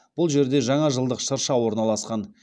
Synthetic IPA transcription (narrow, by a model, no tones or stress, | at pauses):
b̥ʊlˠʒe̞ɾd̪e̞ʒɑɴɑʒəlˠd̪əqʃəɾʃɑwo̞ɾnɑlˠɑsqɑn